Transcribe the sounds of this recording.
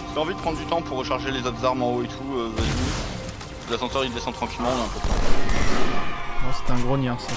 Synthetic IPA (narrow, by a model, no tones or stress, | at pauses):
t̪eɑ̃vid̪əpχɑ̃d̪ʁd̪yt̪ɑ̃puʁːəʃaʁʒelezot̪χzaʁmɑ̃oet̪ʰuøvaji | ezasɑ̃sœʁild̪esɑ̃t̪χɑ̃kʲilmɑ̃nɛ̃pød̪t̪ɑ̃ | asɛ̥t̪ɛ̃ɡʁonjãs